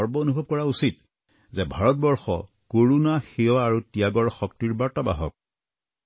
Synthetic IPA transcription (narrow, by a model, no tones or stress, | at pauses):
ɔɹbɔonubʱɔb̚kɔɹausit | zɛbʱaɹɔt̚bɔɹxɔ̰ | koɹunaxeɔaːɹutiaɡɔɹxɔk̚tiɹbaɹtaba̰ɦɔ̰k̚